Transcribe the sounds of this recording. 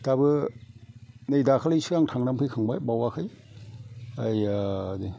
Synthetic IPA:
tabɯ | nɯjdakʰalɯjsɯaŋtʰaŋnampʰɯjkʰɯŋbajbawakʰɯj | ajadi

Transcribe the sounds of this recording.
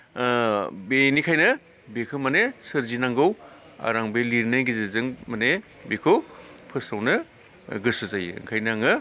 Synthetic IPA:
benikʰajnɯ | bekʰɯmanesɯɾzinaŋɡɯw | a̰ɾaŋbeliɾnajɡizezɯŋmane | bekʰɯwpʰɯsawnɯ | ɡɯsɯzaj̰ŋkʰajnaŋɯ

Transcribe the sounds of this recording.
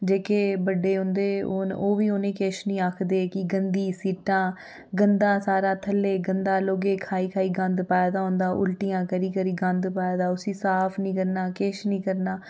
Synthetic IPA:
d͡ʒeːkeːbəɖeːɦʊ̃nd̪eːoːnoːʋiːoːnẽːkeːʃnĩːaːkʰd̪eːkɪɡənd̪iːsiːʈãː | ɡənd̪ãːsaːɾaːt̪ʰəlːeːɡənd̪aːloːɡeːkʰaːiːkʰaːiːɡə̃nd̪paːeːd̪aːɦʊ̃nd̪aːʔʊ̰lʈijãːkəɾiːkəɾiːɡə̃nd̪paːeːd̪aːʊsĩːsaːpʰnĩːkəɾnaːkeːʃnĩːkəɾnaː

